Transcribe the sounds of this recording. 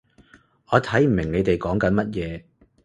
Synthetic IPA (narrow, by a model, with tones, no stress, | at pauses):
ʔɔː˨˧t̪ʰɐ˨˥jm̩˨˩mɪ˨˩ŋne˨˧jt̪e˨jkɔː˨˥ŋkɐ˨˧˥nmɐ˥t̚jɛː˨˧